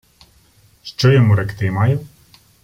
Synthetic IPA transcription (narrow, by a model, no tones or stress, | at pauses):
ʃt͡ʃɔjɔmuɾɛkt̪ɪmɑju